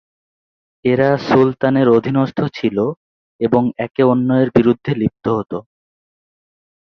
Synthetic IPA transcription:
eɾasult̪aneɾod̪ʱinoʃt̪ʰot͡ɕʰilo | eboŋɛkeonːɔeɾbiɾud̪ʱːelib̚t̪oɦot̪o

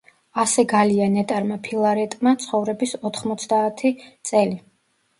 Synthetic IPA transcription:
asɛɡalianɛt̪ʼaɾmapʰilˠaɾɛt̪ʼmat̪sʰχɔvɾɛbisɔt̪ʰχmɔt̪sʰd̪aːt̪ʰit̪sʼɛli

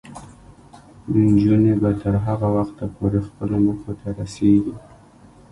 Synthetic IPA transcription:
nd͡ʒunebat̪əɾɦaɣawaxt̪ːəɾpoɾexpəloməxot̪aɾaseɡi

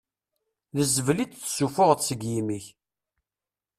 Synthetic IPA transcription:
ðəzəvlit͡s̪θsufʊʁðsəɡjimiç

